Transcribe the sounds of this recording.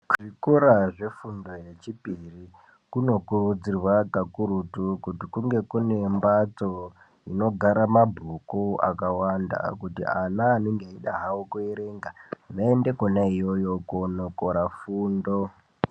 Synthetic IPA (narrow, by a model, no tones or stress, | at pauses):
ʐ̥ikoɾaʐe̞fundo̞je̞t͡ʃipiri | kuno̞kurud͡zirwakakuɾutukutikuŋɡe̞kune̞mbat͡so̞ | ino̞ɡʱaɾamabʱukua̰kawanda̰kutḭanaːnoŋɡeaiɗaɦaokue̞ɾe̞ŋɡaʋaende̞konaijo̞jo̞konokoɾafuːndo̞